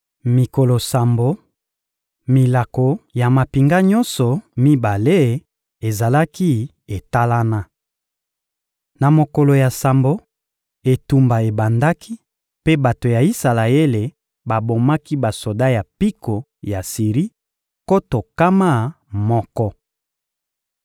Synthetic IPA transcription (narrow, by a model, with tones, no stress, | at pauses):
mi˨ko˨lo˨sa˨mbo˦ | mi˨la˨ko˨ja˨ma˨pi˨ŋɡa˦ɲɔ˦nsɔ˨mi˦ba˨le˦ | e˨za˨la˦ki˦ | e˨ta˦la˦na˦ | na˨mo˨ko˨lo˨ja˨sa˨mbo˨ | e˨tu˨mba˨e˨ba˨nda˦ki˦ | pe˦ba˨to˨ja˨i˦sa˨la˨e˦le˨ | ba˨bo˨ma˦ki˦ba˨so˨da˦ja˨pi˦ko˨ | ja˨si˨ʁi˦ | ko˦to˨ka˦ma˦˨ | mɔ˦kɔ˦